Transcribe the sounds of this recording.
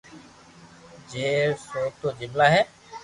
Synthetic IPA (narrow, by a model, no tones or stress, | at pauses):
d͡ʒeːsoːt̪oːd͡ʑɪmlaɦɛː